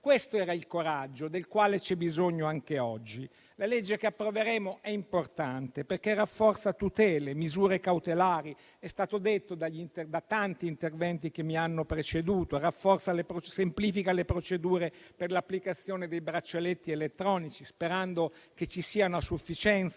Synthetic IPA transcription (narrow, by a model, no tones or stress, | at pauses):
kwest̪oɛːɾailkoɾad͡ʒːod̪elkwaːlet͡ʃɛbizoɲːoaŋkeɔd͡ʒːi | laled͡ʒːekeapːɾoveɾeːmoʔɛimport̪ant̪eperkerːafːɔrt̪sat̪ut̪ɛːlemizuːɾekawt̪elaːɾi | ɛst̪aːt̪od̪et̪ːod̪aʎːint̪ed̪at̪ant̪iːnt̪ervɛnt̪ikemːianːopɾet͡ʃed̪uːt̪orafːɔrt̪salepɾot͡ʃsempliːfikalepɾot͡ʃed̪uːɾeperlapːlikat̪sːjoːned̪ejbɾat͡ʃːelet̪ːielet̪ːɾɔːnit͡ʃispeɾand̪oket͡ʃːisiːanasufːit͡ʃɛnt̪s